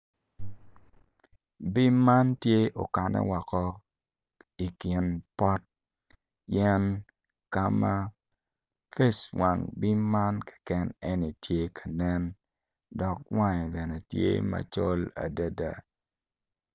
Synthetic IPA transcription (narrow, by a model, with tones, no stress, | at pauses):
bi˦mːa˦ntje˦ʔo˨ka˨nɛ̰˦wɔ˨kɔ˦ | i˨ki˨npɔ˦t̚ | jɛ˦n | ka˦ma˦ | fe˦swa˨ŋbi˦mːa˦nkɛ̥˨kɛ˦ne˦ni˨tje˦kʰa˨nɛ˦n | dɔ˨k̚wa˦ɲ˨bɛ˨nɛ˨tjḛ˦ma̰˨t͡ʃo˦la̰˨da˦da˨